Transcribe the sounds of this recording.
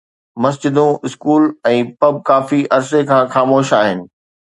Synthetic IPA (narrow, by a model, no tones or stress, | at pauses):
mɐs̬d͡ʑɪd̪ũɪskuːlɛ̃ːpɐb̚kaːfiʔɐɾsekʰãːxaːmoːʃaːɦɪnɪ̆